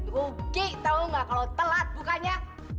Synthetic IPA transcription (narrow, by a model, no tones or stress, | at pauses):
kukiʔt̪auŋɡaʔkalot̪əlat̪̚bukaɲa